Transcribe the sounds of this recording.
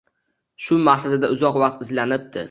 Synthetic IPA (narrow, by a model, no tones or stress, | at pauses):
ʃʊmahsad̪ɪd̪aʊzɒqvɑq̚t̪ɪzlanɪp̚t̪ʰɪ̰